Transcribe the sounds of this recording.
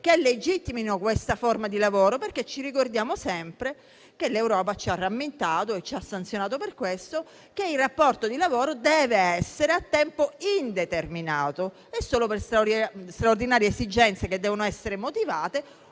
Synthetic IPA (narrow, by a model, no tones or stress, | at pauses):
keled͡ʒit̪ːiminokwest̪aformad̪ilavoːɾoperket͡ʃːirikord̪jaːmosɛmpɾe | kelewɾɔːp̬at͡ʃiarːamːent̪aːt̪oet͡ʃːasːant̪sjonaːt̪operkwest̪o | keirːapːɔrt̪od̪ilavoːɾod̪ɛːveɛsːeɾeat̪ːɛmpoind̪et̪erminaːt̪o | esːoːloperst̪ɾst̪ɾaord̪inaːɾjeesid͡ʒɛnt̪seked̪ːɛːvonoɛsːeɾemot̪ivaːt̪e